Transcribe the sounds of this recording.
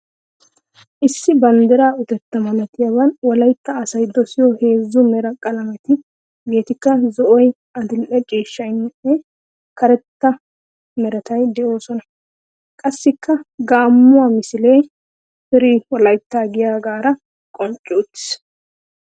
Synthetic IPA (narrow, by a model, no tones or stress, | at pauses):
ʔɪsːɪbɐnd̪ɛɾaːʊt̪ɛt̪ːɐmɐnɐt̪ɪjɐβɐnwɔlɐjt̪ːɐːsɐjd̪ɔsɪjɔhe̞ːzːʊmɛɾɐkʼɐlɐmɛt̪ɪ | be̞ːt̪ɪkːɐzɔʔɔj | ɐd̪ɪlʔɛt͡ʃʼiːʃːɐnːɪɛ | kʰɐɾɛt̪ːɐ | mɛɾɐt̪ɐjd̪ɛʔo̞ːsɔnɐ | kʼɐsːɪkːɐɡaːmːʊwamɪsɪle̞ː | fɪɾiːwɔlɐjt̪ːaːɡɪjaːɡaːɾɐ | kʼɔnt͡ʃʼːuːt̪ːɪ̥s